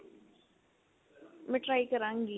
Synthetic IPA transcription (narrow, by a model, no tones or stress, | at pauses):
mɛ̃ʈɾaːikɐɾãːŋɡi